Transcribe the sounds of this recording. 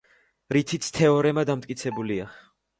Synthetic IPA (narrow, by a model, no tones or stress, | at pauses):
ɾit̪ʰit̪st̪ʰɛɔɾɛmad̪amt̪ʼkʼit̪sʰɛbulia